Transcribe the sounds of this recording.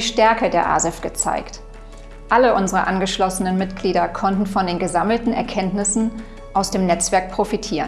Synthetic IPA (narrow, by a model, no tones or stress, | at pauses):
ʃtɛɐkədeːɐʔa̰zɛfɡ̥ət͡sa̰ɪkt | ʔaləʔʊnzəʁəʔanɡəʃlɔsənənmɪtɡ̥liːdɐkʰɔntn̩fɔndeːnɡəzaml̩tn̩ɛ̰ɐkʰɛntnɪsn̩ | ʔaʊsd̥eːmnɛt͡sv̥ɛɐk̚pʁ̥ofitʰiːʁən